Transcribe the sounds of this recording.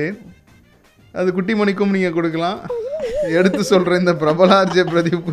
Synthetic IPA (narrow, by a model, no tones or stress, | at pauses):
e | ʔɐðɯkʊʈːimɐɳɪkːɯmniːŋɡɐkɔɽɯkːɐlãː | ɛɽɯt̪ːɯsɔlɾɐ̃ɪnd̪ɐpɪɾɐbɐlaːɾd͡ʒɐpɪɾɐðɪʋɯkːɯ